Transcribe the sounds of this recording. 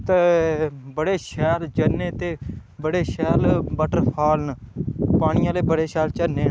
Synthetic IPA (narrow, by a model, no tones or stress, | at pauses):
t̪e | bəɽeːʃɛːld͡ʒənːeːt̪eː | bəɽeːʃɛːlbəʈəɾpʰaːlnpaːɽ̃ɪjãːleːbəɽeːʃɛːlt͡ʃəneː